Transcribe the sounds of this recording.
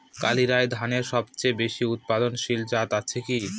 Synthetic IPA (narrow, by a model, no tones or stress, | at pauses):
ka̰liɾaed̪ʱaneɾʃɔbt͡ɕebeʃiut̪̚pad̪onʃild͡ʑat̪at͡ɕʰeki